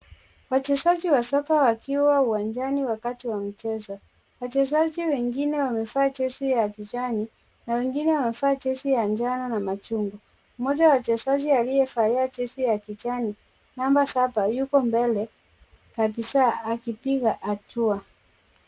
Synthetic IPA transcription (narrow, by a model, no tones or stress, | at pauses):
wat͡ʃɛzad͡ʒiwasɔkawakiwauwand͡ʒaniwakatiwam̩t͡ʃɛzɔ | wat͡ʃɛzad͡ʒiwɛŋɡinɛwamɛfaːt͡ʃɛsijakit͡ʃani | nawɛŋɡinɛwamɛfaːt͡ʃɛsijand͡ʒananamat͡ʃuŋɡɔ | mɔd͡ʒaawat͡ʃɛzad͡ʒialijɛfaiat͡ʃɛsijakit͡ʃani | nambasapajukɔmbɛlɛ | kabisaːkipiɣaʔatua